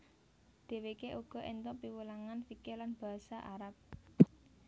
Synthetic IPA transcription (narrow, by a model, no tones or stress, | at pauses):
d̪̥e̤wekeʔuɡ̥ɔ̤ʔɛnt̪ɔʔpiwulaŋanfikelanb̥a̤saʔaɾap̚